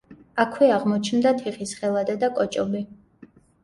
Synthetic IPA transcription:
akʰwɛaʁmɔt͡ʃʰnd̪at̪ʰiχisχɛlˠad̪ɛd̪akʼɔt͡ʃʼɔbi

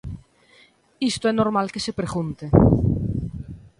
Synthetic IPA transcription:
ist̪oɛnoɾmalkesepɾeɣunt̪e

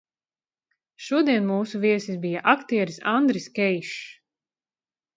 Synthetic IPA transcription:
ʃuɔd̪iɛnmuːsuviɛsisbijaʔakt̪iɛɾisa̰nd̪ɾiskʲɛjʃ

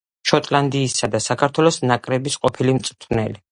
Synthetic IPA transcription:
ʃɔt̪ʼland̪iːsad̪asakʰaɾt̪ʰwɛlˠɔsnakʼɾɛbisqʼɔpʰilimt̪sʼt̪ʰnɛli

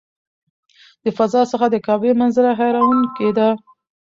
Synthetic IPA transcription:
d̪əfazɑsəxad̪əkɑbemanzəɾaɦajɾawuŋked̪a

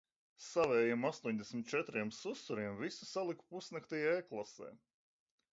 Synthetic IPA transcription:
savɛːjimast̪uɔɲʲd̪ɛsʲmʲit̪̚t͡ʃɛt̪ɾiɛmsusːuɾiɛmvisu̥salˠiku̥pusnɛkt̪ɛjaeklˠasɛ̰ː

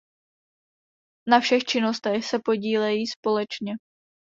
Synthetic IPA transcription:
nafʃɛxt͡ʃɪnost̪ɛxsɛpo̞ɟiːlɛjiːspo̞lɛt͡ʃɲɛ

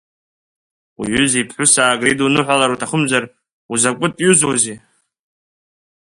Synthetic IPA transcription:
uɥʏzipʰħʷʊsaːɡridunɨħʷalaɾutʰaχʊmzar | uzakʷʼʊtʼjuzozi

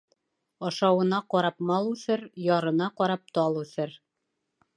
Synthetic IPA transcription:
ɑʃɑwɤ̆nɑqɒɾɑpmɑlˠʉθɘɾjɑɾɤ̆nɑqɒɾɑp̚t̪ɑlˠʉθɘɾ

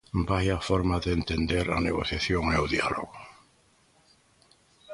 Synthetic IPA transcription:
bajafoɾmaðeent̪end̪eɾa̰neɣoθjaθjoŋnewðja̰lo̰ɣo

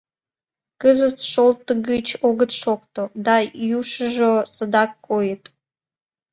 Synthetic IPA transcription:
kəzət͡sʃolt̪ːəɡət͡ɕʰoɡət̪ʃokt̪od̪ɑjuʃəʒosəd̪ɑkːojət̪ʼ

